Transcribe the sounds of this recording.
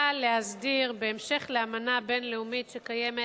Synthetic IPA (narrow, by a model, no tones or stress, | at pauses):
aleɦazdiʁbe̞ːmʃe̞χleamanabe̞nleumitʃekajeme